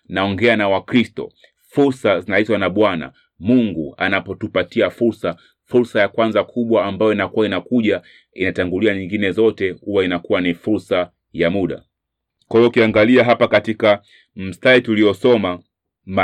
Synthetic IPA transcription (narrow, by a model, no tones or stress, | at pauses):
naɔŋɡɛanawakɾistɔ̰ | fuɾsazinaitwanaɓwana̰ | muŋɡua̰napɔtupatiafuɾsa | fuɾsajakwanzakʰuɓwaːmbajɔinakuwaɔinakuʄa | inataŋɡuliaɲiŋɡinɛzɔtɛhuwainakuwanifuɾsa | jamuɗa̰ | kwaiɔukiaŋɡaliaɦapakatika | m̩staituliɔsɔma | ma